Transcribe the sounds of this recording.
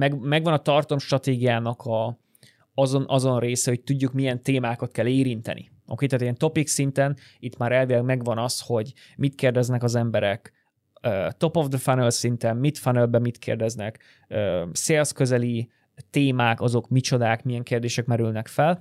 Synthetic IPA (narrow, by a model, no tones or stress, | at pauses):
mɛɡmɛɡʋɒnɒt̪ɒrt̪o̞mʃt̪rɒt̪eːɡijaːnɒkʰɒ | ɒzonʔɒzo̞nreːsɛho̞c̚t̪uɟːukmijɛnt̪eːmaːkot̪kɛleːɾint̪ɛ̰nʔḭ | ɒ̰keːt̪ɛt̪eɡɛnt̪o̞piksint̪ɛn | it̪maːɾɛlvilɛɡmɛɡʋɒnɒsho̞ɟ | mit̪keːrd̪ɛznɛkɒzɛmbɛɾɛk | øːt̪o̞povd̪øfanelsint̪ɛmmit̪fanɛlbɛmit̪kʰḛːrd̪ɛznɛk | øːseːlskø̞zɛli | t̪eːmaːkɒzo̞kmit͡ʃo̞d̪aːkmijɛŋkeːrd̪eːʃɛkmɛɾylnɛkfɛl